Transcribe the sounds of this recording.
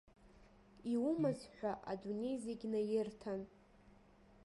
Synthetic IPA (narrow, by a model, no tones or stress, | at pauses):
iwumazħᶣʷaʔa̰dune̞jzeɡʲnajɪrtʰan